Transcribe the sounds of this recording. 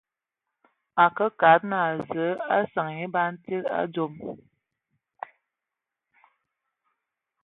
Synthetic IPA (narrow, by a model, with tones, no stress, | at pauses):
a˨kə˦ka˨˦t̚na˨a˨zə˨˦a˦sa˨ŋi˦ba˦n̩˦ti˦la̰˦d͡zo˨m